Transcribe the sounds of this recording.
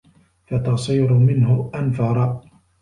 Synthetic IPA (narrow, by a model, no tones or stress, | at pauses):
fat̪ɑsˤiːɾʊmɪnhʊʔanfɑɾˤɑ